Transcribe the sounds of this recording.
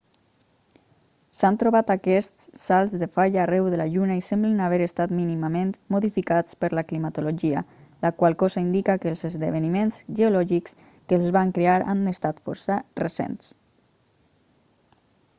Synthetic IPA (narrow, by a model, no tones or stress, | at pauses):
sant̪ɾuβat̪akɛst̪sːalˠzðəfaʎaːrɛwðəlaʎunaisɛmblənaβ̞ɛɾəst̪at̪minimamẽnt̪moðifikat͡spəɾləklimat̪uloʒiə̰ləkwalˠkɔzaind̪ikakəlˠzəzðəβ̞ənimenzʒəolɔʒiks | kəːlˠzβaŋkɾeaɾa̰nəst̪at̪fɔ̰ɾsərəsḛns